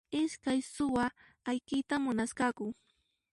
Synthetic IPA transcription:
ɪskajsʊwaː | jkɪt̪amʊnaskɑkʊ

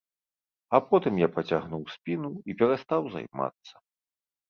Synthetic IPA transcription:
apɔt̪ɨmjapɐt͡sʲaɣnuwsʲpʲinuipʲɛɾast̪awza̰jma̰t̪sːɐ̥

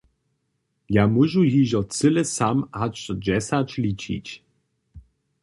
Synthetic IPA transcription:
jamuʒujiʑɔt͡sɘlɛsamat͡ʃɔd͡ʑɛsat͡ɕlʲit͡ɕḭt͡ɕ

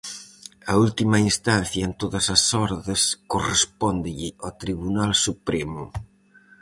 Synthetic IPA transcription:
ɐult̪imɐinst̪anθjɐent̪oðɐsɐsɔɾðeskorespɔnd̪ɪʎɪot̪ɾiβunalsupɾemʊ

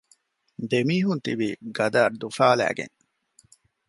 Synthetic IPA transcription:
d̪emiːɦunt̪iʋiɡɐd̪aːd̪ufaːlæ̰ːɡḛŋ

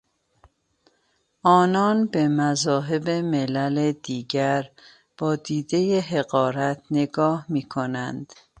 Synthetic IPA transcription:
ʔɒːnɒːnbe̞mæzɒːɦe̞beme̞læled̪̥iːɟæɾ | b̥ɒːd̪iːd̪e̞jeɦe̞ɣɒːɾæt̪ʰne̞ɡɒːhmiːkʰo̞nænd̪̥

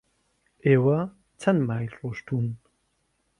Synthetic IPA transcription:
eːwɐ | t͡sʰɐnmaːjɬʼɔʂtʰun

